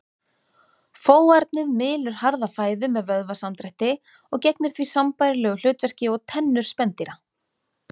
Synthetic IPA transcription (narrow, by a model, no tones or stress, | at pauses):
foːwaɾt̪nɪðmɪːlʏɾ̥haɾðafaːjðʏmɛðvœðvasamt̪ɾɛjht̪ɪ | ɔɣcɛjknɪɾ̥θvisampajɾɪlɛːɣʏl̥ʏːt̪vɛr̥cɪɔɣt̪ʰɛnːʏɾ̥spɛnt̪iɾa